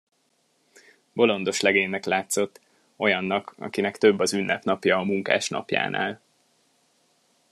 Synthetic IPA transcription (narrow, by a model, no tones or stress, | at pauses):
bo̞lo̞nd̪o̞ʃlɛɡeːnːɛklaːt̪so̞t̪ː | o̞jɒnːɒkɒ̰kinɛkt̪ø̞bːɒzynːɛpnɒpjɒːmuŋka̰ːʃnɒ̰pja̰ːnʔa̰ːl